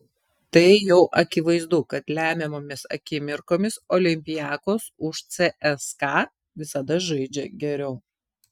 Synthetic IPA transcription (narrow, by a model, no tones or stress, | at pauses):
t̪ɐɪjɛʊʔɐkʲɪʋɐɪzd̪ʊkɐt̪lʲæːmʲɛmoːmʲɪsɐ̰kʲɪmʲɪɾkoːmʲɪsoːlʲɪmʲpʲɪjæːkoːsʊʃt̪sʲɛʔɛskɑ | ʋʲɪsɐd̪ɐʒɐɪd͡ʒʲɛɡʲɛɾʲɛʊ